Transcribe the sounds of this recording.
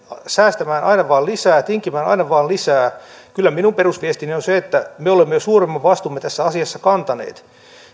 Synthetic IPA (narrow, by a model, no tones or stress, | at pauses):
sæːst̪æmæːnʔɑ̰inɑʋɑːlisæːt̪iŋkimæːnɑ̰inɑʋɑːlisæː | kylːæminumperusʋiest̪inionseet̪ːæmeolemːejosuːremːɑʋɑst̪umːet̪æsːæɑsiɑsːɑkɑnt̪ɑnḛːt̪